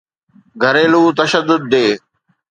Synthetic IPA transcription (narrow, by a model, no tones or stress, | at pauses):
ɡʱəɾeːluːt̪ɐʃəd̪ʊd̪̚ːeː